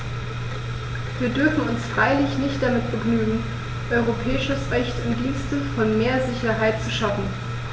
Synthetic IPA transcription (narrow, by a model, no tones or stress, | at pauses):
viːɐdʏɐfn̩ʊnsfʁ̥aɪlɪçnɪçt̚d̥amɪtb̥əɡnyːɡŋ̩ | ʔɔʏʁopʰɛːɪʃəsʁɛçtʊntd̥iːnstəfɔnmeːɐzɪçɐɦaɪtt͡suʃafn̩